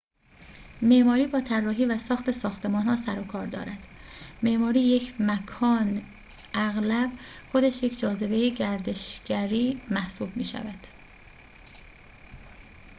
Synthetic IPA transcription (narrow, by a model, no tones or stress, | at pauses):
me̞ʔmɒːɾiːbɒːt̪ʰærːɒːɦiːvæsɒːxt̪e̞sɒːxt̪ʰe̞mɒːnhɒːsæɾokʰɒːɾd̪ɒ̰ːɾæd̪̥ | me̞ʔmɒːɾiːje̞cʰmækʰɒːn | ʔæɣlæbxo̞d̪eʃjecʰd͡ʒɒːze̞be̞jeɟæɾd̪e̞ʃɟæɾiːmæhsuːbmḭːʃæ̰væd̪̥